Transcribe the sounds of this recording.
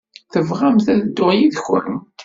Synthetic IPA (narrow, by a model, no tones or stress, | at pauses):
θəvʁæmθæðəd̪ːʊʁjiðçʊ̰ɾəm